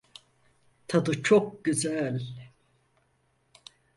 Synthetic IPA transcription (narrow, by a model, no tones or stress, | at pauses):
t̪ʰad̪ɯt͡ʃʰok̚ɟyzælʲ